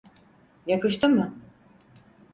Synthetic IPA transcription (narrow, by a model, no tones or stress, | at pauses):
jakɯʃt̪ʰɯmːɯ